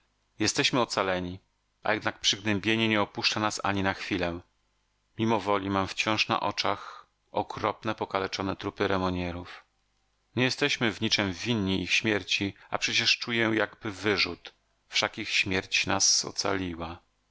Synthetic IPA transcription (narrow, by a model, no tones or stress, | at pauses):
jɛst̪ɛɕmɘɔt̪salɛɲi | ʔa̰jɛd̪nak̚pʂɘɡnɛmbʲjeɲɛɲɛɔpuʂt͡ʂanasa̰ɲinaxfʲilɛ | mʲimɔvɔlʲimamft͡ɕɔ̃w̃ʂna̰ʔɔt͡ʂax | ɔkɾɔpnɛpɔkalɛt͡ʂɔnɛt̪ɾupɘɾɛmɔɲɛɾuf | ɲɛjɛst̪ɛɕmɘvɲit͡ʂɛmvʲinːiʔixɕmʲjɛɾt͡ɕia̰pʂɛt͡ɕɛʂt͡ʂujɛjaɡbɘvɘʐut̪ | fʂakʲixɕmʲjɛɾt͡ɕnasɔ̰t̪sa̰lʲiwa